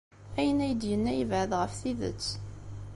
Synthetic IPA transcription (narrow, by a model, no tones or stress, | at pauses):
æjənæjəd̪jənːæjəvʕəðʁəfθiðə̰t͡sː